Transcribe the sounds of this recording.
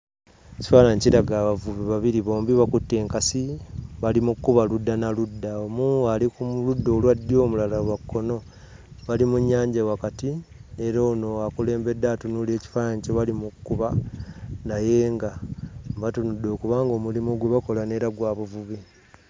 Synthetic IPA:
eci̥faːnaɲciɾaɡaːβavuβiβaβiɾiβo̞ːmbiβakutːe̞ːŋkasiβalimukːuβaludːanaludːaomuːalikuludːo̞ːlwadːio̞ːmulalawakːo̞no̞ | βalimuɲːaːɲɟawakatieɾoːno̞akule̞ːmbe̞dːatunule̞ːci̥faːnaɲcoβalimukkːuβa | naje̞ːŋɡamβatunudːo̞ːkuβaːŋɡo̞ːmulimoɡwe̞βako̞lane̞ɾaɡwaːβuvuβi

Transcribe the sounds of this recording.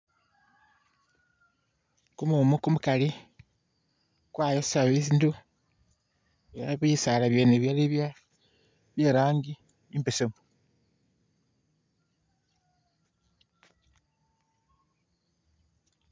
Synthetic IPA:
kumumukumukali | kwaːjossaβesindu | aaβisalaβjeːneβjaleβja | βjeːɾaːŋɡi | impesemu

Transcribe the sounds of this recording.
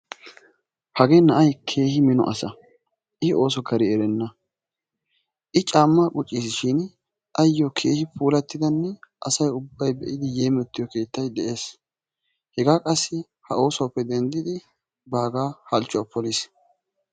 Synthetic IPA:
hɐɡe̞ːnɐʔɐjkʰe̞ːhɪmɪnɔ̰ʔɐ̰sɐ | ʔɪhɪo̞ːsɔɡɐɾɪɛɾɛnːɐ | ʔɪt͡ʃʼaːmːakʼʊt͡ʃʼːiːsʃiːn | ʔɐjːɔkʰe̞ːhɪpʰuːlɐt̪ːɪd̪ɐnːɛʔɐsɐjʊbːɐjbɛʔɪd̪ɪjeːmɛt̪ːɪjɔke̞ːt̪ːɐjd̪ɛʔe̞ːs | hɛɡaːkʼɐsːɪ | hɐo̞ːsɔwpːɛd̪ɛnd̪ɪd̪ɪ | baːɡaːhɐlt͡ʃːʊɐpʰːɔlis

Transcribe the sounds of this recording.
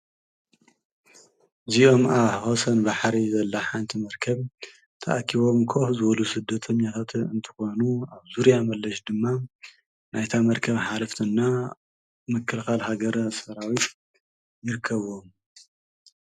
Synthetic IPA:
ɨzijo̞maβhosɐnbaħɾizɐlːaħant̪ʰimɐɾkʰɐβ | t̪ʰɐʔkʰiβo̞mkʰo̞fzɨβɐlusɨd̪ːɐt̪ʰɐɲːat̪ʰat̪ɨnt̪ʰɨ̥xo̞nuaβzuɾjamɐlːɐʃd̪ɨmːa | najt̪ʰamɐɾkʰɐβħalɐft̪ʰɨnːa | mɨkːɨlxalhaɡɐɾsɐɾawit̪ | jɪɾɨkʰːɐβo̞m

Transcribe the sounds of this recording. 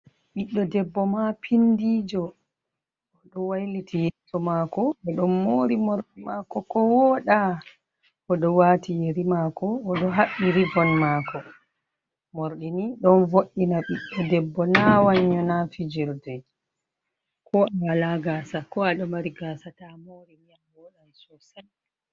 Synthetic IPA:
ɓiɗːɔdɛbːɔmapʰindiːd͡ʒɔ | ɗɔwajlitijɛsɔmakɔɔɗɔnːoɾimoɾɗimakɔkɔwɔɗa | ʔɔɗɔwatʰijeɾimakɔɔɗɔɦaɓːiɾibɔnmakɔ | moɾɗiniɗɔnvoʔinaɓiɗɔdɛbːɔnawaɲːɔnafid͡ʒiɾdɛj | kʰɔawalaɡaːsakɔaɗɔmaɾiɡasatamoɾimijamwɔɗasɔsan

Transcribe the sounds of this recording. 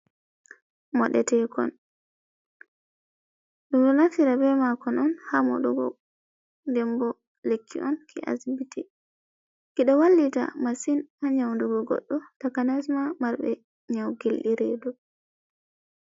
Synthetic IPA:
mɔɗɛtɛkɔ̰n | ɗumɗɔnafiɾabɛmakɔnɔnhamɔ̰ɗɔɡɔ̰ | ndɛmbɔ | lekːḭʔɔnkʰḭʔa̰zbitʰɛ | kiɗɔwalːita̰masinaɲawnduɡɔɡɔ̰ɗːɔtakanasmamaɾbɛ̰ | ɲawɡilɗiɾɛdɔ

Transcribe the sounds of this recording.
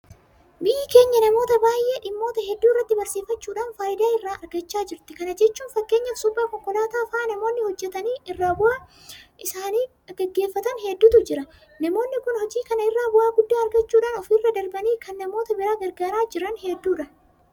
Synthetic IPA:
bɪjɪke̞ːɲːɐnɐmo̞ːt̪ɐbaːjʔeːᶑɪmːo̞ːt̪ɐɦɛd̪ːuːɪrːɐt̪ːɪbɐɾsiːfɐt͡ʃːuːᶑaːnfaːjɪd̪aːɪrːaːʔɐɾɡɐt͡ʃːaːd͡ʒɪɾt̪ɪkɐnɐd͡ʒɛt͡ʃːuːnfɐkːe̞ːɲːɐsʊbːaːkɔŋkːɔlaːt̪aːfaːnɐmo̞ːnːɪhɔd͡ʒːɛt̪ɐniːɪrːaːbʊʔaː | ʔɪsaːniː | ɡɛɡːe̞ːfːɐt̪ɐnɦɛd̪ːʊːt̪ʊd͡ʒɪɾɐ | nɐmo̞ːnːɪkʊnhɔd͡ʒiːkɐnɐɪrːaːbʊʔaːɡʊd̪ːaːɐɾɡɐt͡ʃːuːᶑaːnɔfiːrːɐd̪ɐɾbɐniːkɐnːɐmo̞ːt̪ɐbɪɾaːɡɐɾɡaːɾaːd͡ʒɪɾɐnhɛd̪ːuːᶑɐ

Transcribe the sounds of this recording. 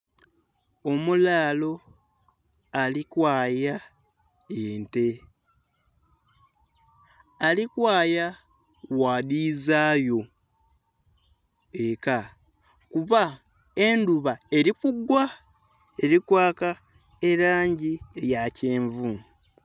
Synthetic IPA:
o̞mulaːlo̞ | alikwaːja | eːnte̞ | alikwaːja | waːðizaːjo̞ | eka | kuβa | enduβae̞ɾikuɡwa | e̞ɾikwaːka | e̞ɾaːɲɟiejaceːɱvu

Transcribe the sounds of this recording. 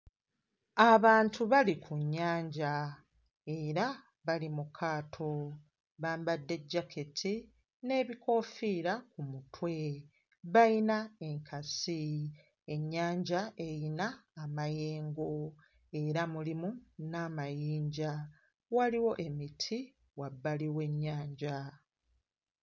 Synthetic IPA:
aβaːntʰuβalikuɲːaːɲɟa | e̞ɾa | βalimukʰaːtʰo̞ | βaːmbadːe̞ɟːakʰetʰi | ne̞ːβiko̞ːfiɾakumutʰwe̞ | βajinae̞ŋkʰasi | e̞ɲːaːɲɟaʔe̞jinaːmaje̞ːŋɡo̞ | e̞ɾamulimunaːmajiːɲɟa | waliwo̞ʔe̞mitʰi | wabːaliwe̞ɲːaːɲɟa

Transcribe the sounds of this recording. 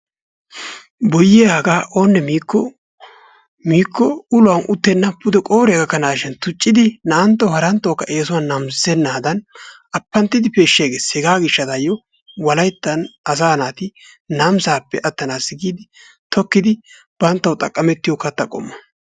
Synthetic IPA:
bɔjɪjaːɡaːʔoːnːɛmiːkːɔ | miːkːɔʊlʊwɐnʔʊt̪ːɛnːɐpːʊd̪ɛkʼo̞ːɾɛjɐɡɐkːɐnaːʃɛnt̪ʊt͡ʃʼːɪd̪ɪnɐʔɐnt̪ːɐwhɐɾɐnt̪ːokːɐʔeːsʊwɐnːɐmssɛnːaːd̪ɐn | ɐpːɐnt̪ːɪd̪ɪpe̞ːʃːɪjɡeːsɛɡaːɡɪʃːɐt̪ɐjɔ | wɐlɐjt̪ːɐnɐs̬aːnaːt̪ɪ | nɐmsaːpːɛʔɐt̪ːɐnaːsɪɡiːd̪ɪ | t̪ɔkːɪd̪ɪ | b̥ɐnt̪ːɐwt̪ʼɐkʼːɐmɛt̪ːɪjɔkɐt̪ːɐkʼɔ̰mːɐ

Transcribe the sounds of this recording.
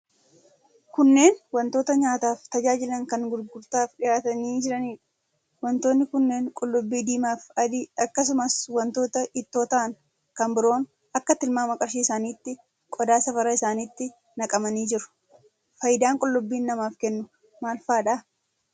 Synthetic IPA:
kʊnːe̞ːnwɐnt̪o̞ːt̪ɐɲaːt̪aːft̪ɐd͡ʒaːd͡ʒɪlɐŋkɐŋɡʊɾɡʊɾt̪aːfᶑɪjaːt̪ɐniːd͡ʒɪɾɐniːᶑ | wɐnt̪oːnːɪkʊnːe̞ːŋkʼɔlːʊbːiːd̪iːmaːfɐd̪ɪʔɐkːɐs̬ʊmɐswɐnt̪o̞ːt̪ɐʔɪt̪ːo̞ːt̪ɐɐŋ | kɐmbɪɾo̞ːn | ɐkːɐt̪ɪlmaːmɐkʼɐɾʃiːɪsaːniːt̪ːɪ | kʼɔd̪aːsɐfɐɾɐɪsaːniːt̪ːɪ | nɐkʼɐmɐniːd͡ʒɪɾʊ̥ | fɐjɪd̪aːŋkʼɔlːʊbːiːnːɐmaːfkɛnːʊ | maːlfaːᶑaː

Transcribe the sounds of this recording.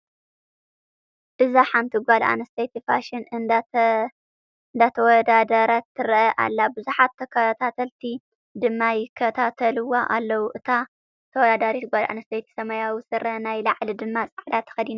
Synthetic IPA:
ʔɨzaħamt̪ʰiɡʷala̰nɐst̪ʰejt̪ʰifa̰ʃɪnɨ | ɨnd̪at̪ʰɐwɔd̪ad̪ɐɾɐt̪ʰːɨɾʔɐʔa̰lːabɨzuħat̪ʰːɐkʰɐt̪ʰat̪ʰɐlt̪ʰi | d̪ɨmːajɪkʰːɐt̪ʰat̪ʰɐlɨwaʔalːɐwuʔɨt̪ʰa | t̪ʰɐwɔd̪ad̪aɾit̪ʰɡʷalʔa̰nɐst̪ʰejt̪ʰi̥sɐmajawisɨɾɐnajlaʕlid̪ɨmːat͡sʼaʕd̪at̪ʰːɐ̥xɐd̪ina

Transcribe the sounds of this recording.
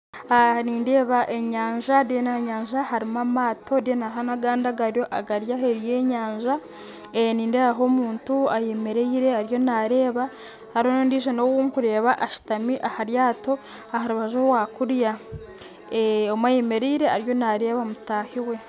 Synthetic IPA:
aniːnde̞ːβaʔe̞ɲaːɲʒadenaɲaːɲʒahaɾimamaːtʰo̞ɾjonaɦanaɡaːndaɡaɾjo̞ʔaɡaɾjaɦeɾije̞ːɲaːɲʒa | eniːnde̞ːβaɦo̞ːmuːntuaje̞me̞ɾeiɾe̞aɾjo̞naɾe̞ːβa | haɾonoːndiːʃ̬enowumukuɾe̞ːβaʔaʃi̥tamiʔahaɾjaːto̞ | ahaɾuβaʒowakuɾja | eomwaje̞me̞ɾeiɾe̞aɾjo̞naɾe̞ːβamutaːhiwe̞

